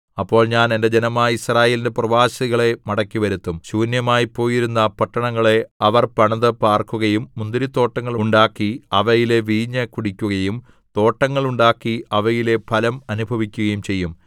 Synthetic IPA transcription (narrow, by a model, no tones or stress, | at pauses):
ɐpːo̞ːɭɲaːne̞nde̞d͡ʑenɐmaːjisraːje̞ːlindeprɐʋaːɕɐiɣɐɭe̞mɐɽɐkʲːiʋɐɾut̪ːumɕuːnjɐmaːjipːo̞ːjiɾunːɐpɐʈːɐɳɐŋːɐɭe̞ɐʋɐrpɐɳɐðɨpaːrkuɣɐjumːund̪iɾit̪ːo̞ːʈːɐŋːɐɭuɳɖaːkːiɐʋɐjile̞ʋiːɲːɐkuɽikʲːuɣɐjum | t̪o̞ːʈːɐŋːɐɭuɳɖaːkːiɐʋɐjile̞pʰɐlɐmɐnubʱɐʋikʲːuɣɐjumt͡ɕe̞jːum